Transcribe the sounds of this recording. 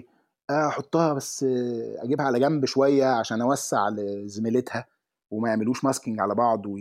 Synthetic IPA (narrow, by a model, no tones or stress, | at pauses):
ʔæːʔɑħot̪ˤːɑːhɑbæsːʔæ̰ɡiːbhæʕalæɡæmbʃowæjːæʕaʃæːnʔæwæsːḛʕlzemelet̪hæ | wemæjeʕmeluːʃmɑskiŋɡʕalæbɑʕd̪ˤw